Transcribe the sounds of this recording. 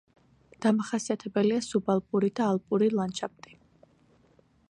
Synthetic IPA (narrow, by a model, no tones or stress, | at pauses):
d̪̥amaχasiat̪ʰɛbɛliasubalˠpʼuɾid̪aːlˠpʼuɾilˠant͡ʃʰap̚t̪ʼi̥